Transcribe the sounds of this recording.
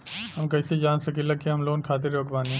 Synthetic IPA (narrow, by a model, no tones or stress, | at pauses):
hɐmkɐːsed͡ʒaːnsɐkelɐkeɦɐmloːnkʰaːt̪̬eɾɾoːkbaːnẽ